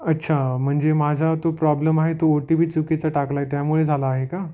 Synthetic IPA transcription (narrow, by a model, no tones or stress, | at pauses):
ətːɕʰam̤əɳd͡zemad͡zʱat̪opɾɔbləmaɦet̪ooʈibʱiːt͡suket͡saʈaklaet̪jamuɭed͡zʱalaːɦeka